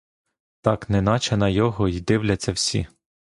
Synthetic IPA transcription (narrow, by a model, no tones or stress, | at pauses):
t̪ɑknɛnɑt͡ʃɐnɐjɔɦɔid̪ɪwlʲɐt͡sʲːɐwsʲḭ